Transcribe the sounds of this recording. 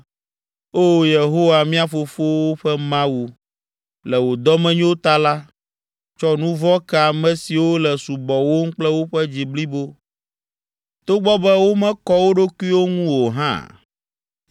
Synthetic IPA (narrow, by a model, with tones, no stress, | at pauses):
o˦je˨ɦo˦wa˨mĩ˦a˨fo˨fo˦wo˦ɸɛ˦mã˦wu˨ | lɛ˨wo˨d̪ɔ˦mɛ̃˦ɲ̃˦o˦t̪a˦la˦ | t͡ʃɔ˦nũ˦vɔ˦kɛ˨a˨mɛ̃˨si˨wo˦lɛ˨su˨bɔ˨wo˦ŋ̩˦k͡plɛ˦wo˦ɸɛ˦d͡ʑi˨bli˦bo˦ | t̪o˦ɡ͡bɔ˦bɛ˦wo˦mɛ̃˦kɔ˦wo˦ɖo˦ku˦i˦wo˦ŋũ˦wo˨ɦã̰˦